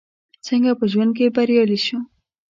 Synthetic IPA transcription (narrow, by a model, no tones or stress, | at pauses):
t͡səŋɡapəʒwand̪̚kebaɾjaliʃu